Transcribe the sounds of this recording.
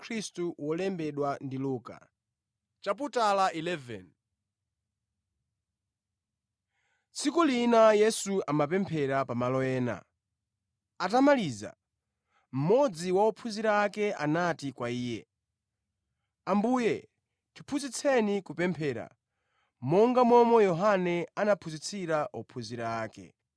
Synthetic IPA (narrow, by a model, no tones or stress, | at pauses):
kʰɾistuwɔlɛmbɛɗwandiluːka̰ | t͡ʃap̬utalaʔilɛvɛ̰n | t͡sikulinajɛsuamapɛmpʰɛɾapamalɔɛːna̰ | atamaliːza̰ | m̩mɔd͡ziwaɔpʰuziɾaːkɛʔanatikwaiːjɛ | ambuːjɛ | tʰu̥pʰuzit͡sʰɛnikupɛmpʰɛːɾa̰ | mɔŋɡamɔmɔjɔɦanɛanapʰuzit͡sʰiɾaʔɔpʰuziɾaaːkɛ̰